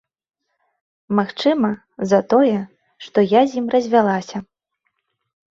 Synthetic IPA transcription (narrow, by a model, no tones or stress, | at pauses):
maxt͡ʂɨmɐ | zɐt̪ɔjɛ | ʂt̪ɔjazʲimrɐzʲvʲalˠasʲɐ